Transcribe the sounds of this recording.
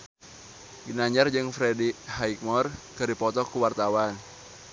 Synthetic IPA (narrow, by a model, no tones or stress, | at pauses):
ɡənaɲard͡ʒɨŋfɾedihaik̚mɔrkaɾipɔt̪ɔkuwart̪awan